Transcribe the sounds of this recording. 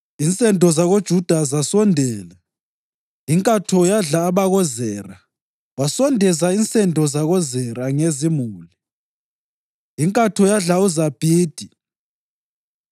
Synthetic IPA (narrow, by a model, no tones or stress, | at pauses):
int͡sʼɛndʱɔzaɣod̥ʒ̥ʱud̥ʱazasɔndʱɛːlɛ | iŋkʼatʰɔjaɮaːβaɣɔzɛːra | wasɔndʱɛzaint͡sʼɛndʱɔzaɣɔzɛraŋezimuːli | iŋkʼatʰɔjaɮauzab̥ʱiːd̥ʱi